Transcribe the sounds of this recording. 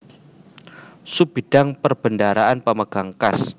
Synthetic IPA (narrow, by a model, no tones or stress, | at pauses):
sub̥id̥aŋpərb̥əndaɾaʔanpəməɡ̥aŋkas